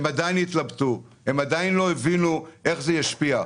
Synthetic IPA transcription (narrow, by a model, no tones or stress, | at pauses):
emad̪ajinit̪labt̪uhemad̪ajinlo̞evinuʔe̞χzejaʃpia